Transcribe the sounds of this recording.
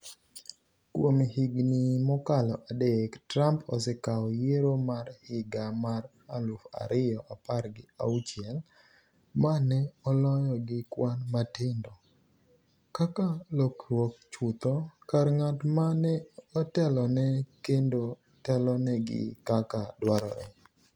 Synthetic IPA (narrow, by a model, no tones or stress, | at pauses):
kwomhiɡnimɔkalɔʔadektɾampɔsekaɔjeɾomarhɪɡamar | alʊfa̰ɾɪjɔʔaparɡɪa̰ut͡ʃɪɛl | manɛɔlɔjɔɡɪkwanmatɪndɔ | kakalokɾwok̚t͡ʃut̪ɔkarŋatmanɛɔtɛlɔnɛkendo | tɛlɔnɛɡɪ̰kakadwaɾɔ̰ɾɛ̰